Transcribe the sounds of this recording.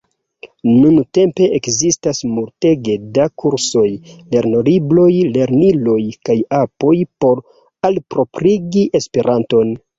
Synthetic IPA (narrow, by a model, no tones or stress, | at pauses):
nunte̞mpe̞ʔekzistasmulte̞ɡedakuɾso̞jle̞ɾno̞ɾiblo̞jle̞ɾnilo̞jkajapo̞jpo̞ɾ | alpɾo̞pɾiɡiʔe̞spe̞ɾʔanto̞n